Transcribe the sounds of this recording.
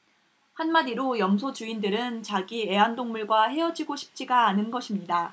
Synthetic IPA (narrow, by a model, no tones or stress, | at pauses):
hanmadiɾojʌmsʰot͡ɕuindɯɾɯnt͡ɕaɡie̞andoŋmuɭɡwahe̞ʌd͡ʑiɡoɕʰi̥p̚t͡ɕ͈iɡaːnɯnɡʌɕʰimɲida